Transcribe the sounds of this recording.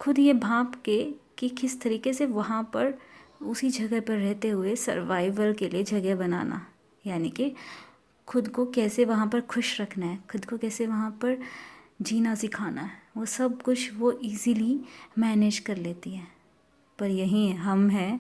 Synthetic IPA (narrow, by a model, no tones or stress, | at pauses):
xʊd̪jebʱãːpkekikɪst̪ɐɾiːkeseʋɐɦãpɐɾʊsid͡ʒʱɐɡɛpɐɾːɛɦt̪eɦʊesɐ̰ɾʋaːɪʋəlkelied͡ʒʱɐɡɛbɐna̰ːnʔa̰ | jaːnike | xʰʊd̪kokɛːseʋɐɦãpɐɾxʰʊʃɾɐkʰnaɦɛːkʰʊd̪kokɛːseʋɐɦãpɐɾd͡ʒiːnasɪkʰaːna̰ɦɛʋoːsɐb̚kʊt͡ʃʰʋoʔiːzilimɛːneːd͡ʒkɐɾleːt̪iɦɛ̃ː | pɐɾjɐɦĩɦɐmɦɛ̃ː